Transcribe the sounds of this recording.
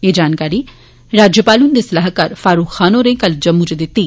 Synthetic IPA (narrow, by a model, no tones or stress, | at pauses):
eːd͡ʒaːnkaːɾiː | ɾaːd͡ʒjəpaːlund̪eːsɪlaːɦkaɾfaːɾuːkxaːnõːɾẽːkɐld͡ʒɐmːud͡ʒed̪ɪt̪ːi